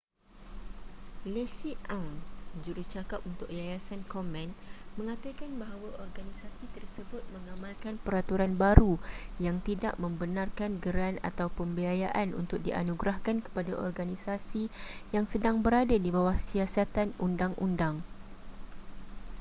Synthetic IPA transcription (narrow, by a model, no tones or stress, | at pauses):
lesiʔawnd͡ʒuɾut͡ʃakap̚unt̪ʊk̚jajasankɔmɛ̃nmə̃ŋãt̪akanbaɦawaʔɔrɡanisasit̪ərsəbʊt̪̚mə̃ŋãmãlkanpəɾat̪uɾanbaɾujaŋt̪ida̰ʔmə̃mbənarkanɡəɾana̰t̪awpəmbiajaʔanṵnt̪ʊk̚diʔa̰nuɡɾahkankə̥padaʔɔ̰rɡanisasijaŋsədaŋbəɾadadibawahsiasat̪anundaŋʔṵndaŋ